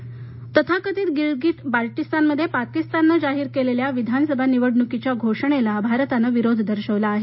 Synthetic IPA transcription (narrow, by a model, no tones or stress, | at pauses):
t̪ət̪ʰakət̪iːt̪ɡiɭɡiʈpaɾʈist̪anməd̪ʱːjepakist̪anːəd͡zaɦiːɾkeleljaʋid̪ʱansəbʱaniʋəɽɳukit͡ɕjaɡʱoʂəɳ̃elabʱaɾt̪anəʋiɾod̪ʱd̪əɾɕəʋlaːɦe